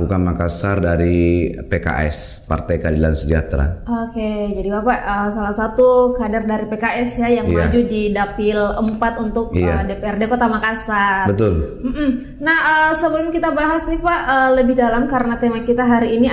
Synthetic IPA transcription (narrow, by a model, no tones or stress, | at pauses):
ukanmakasardaɾipeka̰ʔɛ̰s | pa̰rt̪ajkalilansəd͡ʒa̰t̪ɾa̰oked͡ʒadibapaʔəsalasat̪ukadardaɾipekaʔɛsjajaŋijmad͡ʒudidapɪləmpat̪unt̪ʊk̚iadepeɛrdekot̪amakasarbət̪ʊlm̩ʔm̩ | nahəsəbəlʊmkit̪abaɦasnipaʔəːləbɪhdalamkaɾənat̪emakit̪aɦaɾiːni